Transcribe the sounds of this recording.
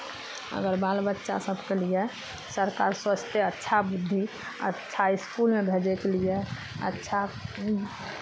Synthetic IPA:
ə̰ɡəɾbalbətːʃa̰səbʱkelije | səɾkaːɾswət͡ʃt̪eətːʃʰabud̪ʱːi | ə̰tːʃʰaɪskulmebʱed͡ʒekelije | ə̰tːʃʰa

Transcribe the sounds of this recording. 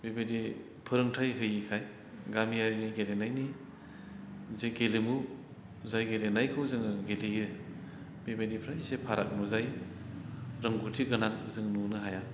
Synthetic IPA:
bibedi | pʰɯɾɯŋtʰajɦɯjikʰaj | ɡamiaɾiniɡelenajni | zeɡelimu | zajɡelenajkʰɯwzɯŋɯɡeliɯ | bibadipʰɾaisepʰaɾʔa̰k̚nuzaj | ɾɯŋɡutʰiɡɯnaŋ̚zɯŋnunɯɦaja

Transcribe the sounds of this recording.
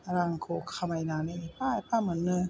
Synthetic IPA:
ɾaŋkʰokʰːamajnaːnipaːjpamɯnːɯ

